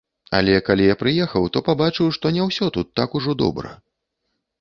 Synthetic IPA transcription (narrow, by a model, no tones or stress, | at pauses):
a̰lʲɛkalʲijapɾɨjɛxɐwt̪ɔpabat͡ʂɨwʂt̪ɔnʲɛwsʲɔt̪ut̪ːakuʐɔd̪ɔ̰bɾɐ̰